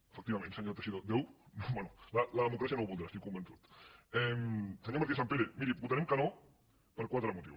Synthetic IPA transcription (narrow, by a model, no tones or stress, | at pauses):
əfək̚t̪iβamẽnsaɲot̪ɾesiðod̪ewnobanulalaðəmukɾasjanowβulˠd̪ɾast̪ikːumbensut̪ɛmsaɲomaɾk̪esampeɾemiɾibut̪anemkano | pəɾkwat̪ɾamut̪ḭw